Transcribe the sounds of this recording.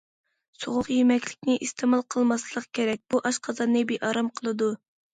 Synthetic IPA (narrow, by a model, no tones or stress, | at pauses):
soʁʊqjemɛkʲlɪkʲnɪʔist̪ʰemɑlˠqʰəlˠmɑslˠəqkʲʰeɾɛk̚ʲbuʔɑʃqʰɑzɑnːɨbeʔɑɾɑmqʰəlˠɨd̪u